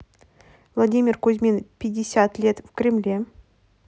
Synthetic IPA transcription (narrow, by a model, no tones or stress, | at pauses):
vlˠɐdʲimʲɪrkʊzʲmʲinpʲɪdʲːɪsʲat̪lʲet̪fkɾʲɪmlʲe